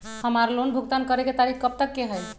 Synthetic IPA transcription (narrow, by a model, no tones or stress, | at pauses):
həmaɾlonbʱuɡ̚t̪ankəɾeket̪aɾikʰkəp̚t̪əkːeɦəj